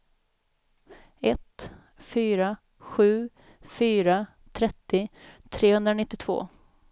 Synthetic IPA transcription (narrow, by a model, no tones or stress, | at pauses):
ɛt̪ | fyːɾa | ɧʉ̟ː | fyːɾa | t̪ʰɾɛt̪ːɪt̪ʰɾeːhɵnd̪ɾanɪt̪ːɪt̪ʰvo̰ː